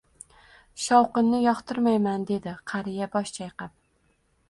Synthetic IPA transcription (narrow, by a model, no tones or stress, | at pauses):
ʃɒwqɨnːɪjɒχt̪ʰɪɾmajmand̪e̞d̪ɪqʰɑɾɪjabɒʃt͡ʃʰajqɑp̚